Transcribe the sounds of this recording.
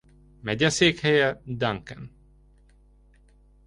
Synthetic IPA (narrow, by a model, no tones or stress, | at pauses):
mɛɟɛseːkhɛjɛd̪aŋkɛn